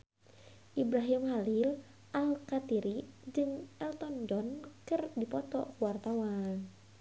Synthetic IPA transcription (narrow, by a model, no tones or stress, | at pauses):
ʔibɾaɦimhalil | ʔalkat̪iɾid͡ʒɨŋʔɛlt̪ɔndɔnkɨrdipɔt̪ɔ̰kuwart̪awan